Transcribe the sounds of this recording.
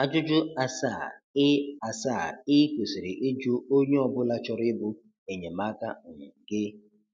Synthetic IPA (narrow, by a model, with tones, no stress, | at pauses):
a˦d͡ʒʊ˦d͡ʒʊ˦a˦sa˦˨ɪ˦a˨sa˦˨ɾɪ˦kʷo˨si˨ɾɪ˨ʔe˦d͡ʒʊ˦o˦ɲe˦ɔ˦bʊ˦la˦t͡ʃɔ˦ɾɪ˦bʊ˦ | e˨ɲe˨ma˦ka̰˦˨ɡɪ˦